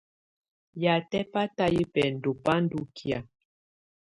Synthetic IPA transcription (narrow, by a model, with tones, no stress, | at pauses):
ja˨tɛ˦pa˦ta˦ji˦pɛ˨n̩˨do˨pa˦n̩˦du˦kʰi˨a˨